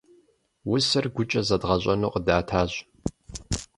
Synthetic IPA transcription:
wʊsɐrɡʷʊt͡ʃʼɐzɐdʁɐɕʼɐnoːqədaːtʰaːʑ

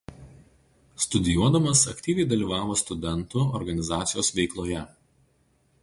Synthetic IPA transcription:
st̪ʊd̪ʲɪjuɔd̪ɐmɐsɐkʲt̪ʲiːʋʲɛɪd̪ɐlʲiːʋɑːʋoːst̪ʊd̪ʲɛnt̪ʊɔɾɡɐnʲɪzɑːt̪sʲɪjoːsʋʲɛɪklˠoːjɛ

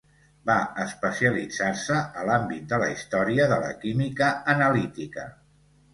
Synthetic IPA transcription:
baəspəsiəlid͡zarsəəlambit̪̚d̪ələist̪ɔɾiəðələ̰kimikəənəlit̪ikə̰

